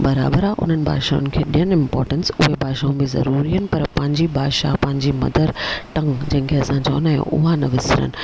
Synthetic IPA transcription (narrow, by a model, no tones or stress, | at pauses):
bɐɾa̰ːbəɾaʔʊ̰n̤ənɪ̆bʱa̰ːʃaːʊ̰̃nɪ̆kʰeːɗijənɪ̃mpɔːɾʈənsʊɦebʱaːʃaːũbɪzɐ̰ɾuːɾiɦənɪ̆pɐɾpɐ̃ɦɪ̃ɲd͡ʑibʱaːʃa̰pɐ̃ɦɪ̃ɲd͡ʑimɐ̰d̪ʱəɾʈɐ̃ŋd͡ʑɐ̃ɦɪ̃ŋkʰeɐsãt͡ɕɐːnaːjõ̰ʔʊɦanɐʋɪsɪɾə̰nɪ̆